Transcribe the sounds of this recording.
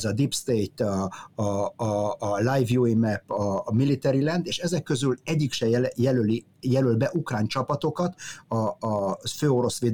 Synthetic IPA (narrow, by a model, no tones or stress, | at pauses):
zɒd̪ipst̪ejt̪ɒ | lajvjuimɛpːɒmilːit̪ɛɾilɛnd̪eːʃɛzɛkːø̞zylɛɟːikʃɛjɛløli | jɛlølbɛʔukraːnt͡ʃɒpɒt̪o̞kɒt̪ɒː | føːo̞ɾo̞sʋeːd̪